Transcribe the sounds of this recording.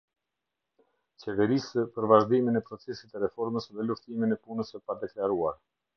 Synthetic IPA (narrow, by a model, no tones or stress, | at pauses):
t͡ɕɛvɛɾispəɾvaʒd̪iminɛpɾɔt͡sɛsit̪ɛɾɛfɔɾməsðɛluft̪iminɛpunəsɛpaɾd̪ɛklaɾuaɾ